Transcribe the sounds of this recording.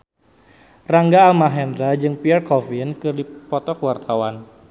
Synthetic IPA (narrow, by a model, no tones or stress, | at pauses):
raŋɡaːlmaɦɛndɾad͡ʒɨŋpiɛrkɔfinkɨrdipɔt̪ɔkwart̪ʰawan